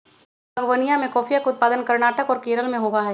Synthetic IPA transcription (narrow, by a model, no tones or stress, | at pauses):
ɐɡʋənijãmẽkɔːfʰijakʊt̪̚paːd̪ənkɐɾnaːʈəkɔːɾkeːɾəlmẽɦoʋaɦɛː